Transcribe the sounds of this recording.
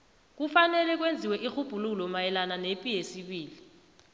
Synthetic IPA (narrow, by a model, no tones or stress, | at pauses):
k̬ufanɛlɛk̬wend͡zʱiwɛʔixub̥ʱululɔmajɛlananepʼijesiɓiːli